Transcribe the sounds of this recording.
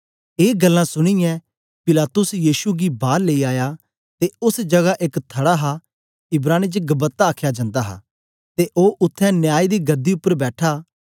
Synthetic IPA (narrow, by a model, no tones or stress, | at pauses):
eːɡəlːãsʊɽ̃ijɛ̃ | pɪlaːt̪ʊsjiːʃuɡibaːɾleiaːja | t̪eʊsd͡ʒɐɡaʔɪkt̪ʰəɽaɦa | ɪbɾaːñit͡ʃɡəbət̪ːaːkʰjad͡ʒãːnd̪aːɦa̰ː | t̪eʔoːʔʊt̪ʰːɛ̃njaːid̪iːɡɐd̪ːiʊpːəɾbɛːʈʰaː